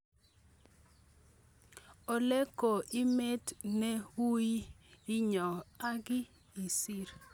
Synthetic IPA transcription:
o˨lɛ˦ko˨ʔɪ˦me˦tne˦wu˦ji˦ɪ˦ɲɔ˨a˦ɡɪ˦ | i˨si˦ɾ

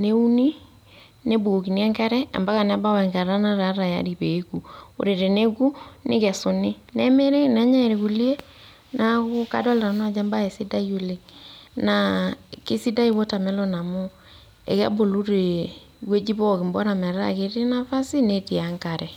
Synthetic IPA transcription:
ne˦u˦ni˦ | ne˦bo˨o˨ki˨ni˦ɛ˦ŋka˦ɾɛ˦a̰˨mba˦ɣa˨n˨˦a˦ba˦wɛ˨ŋka˨ɾa˦na˦ɾa˨˦ɾa˨ja̰˨˦ɾi˨pe˨˦ku˨o̰˨ɾe˨ɾe˨ne˦ku˦nɪ̰˦kɛ˨so˨nɪ˦ | nɛ˦me˦ɾe˦nɛ˨˦ɲɛ˦˨ɾe˨ku˨li˦e˦ | na˦ko˦ka̰˨dɔ˦lɾa˨nwa˨d͡ʒa˦mba˦e˨si˦da˦io˨le˨ŋna˨ke˦si˦da˦i˦βo˦ta˨mɛ˦lɔ˦na˨mo˦ | ḛ˨ka̰˦bo˨lu˦ɾe˨ | kwe˦d͡ʒi˦βɔ˦ki˨mbɔ˦ɾa˨mɛ˨ɾa̰˦ke˨˦ɾe˦na˦fa˦si˦ne˦ti˨a˨ŋka˨ɾɛ˨

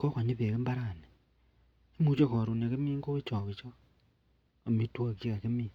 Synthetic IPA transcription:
ko˦ka˨ɲe˦βe˨ke˦mba˦ɾa˨ne˨ | e˦mu˦t͡ʃo˦ko˨ɾu˨n˨a˨ke˦miː˦ŋɡo˦e˦t͡ʃo˨βi˨t͡ʃo˦˨ | mi˦two˦˨ki˦ka˨ke˦mi˦

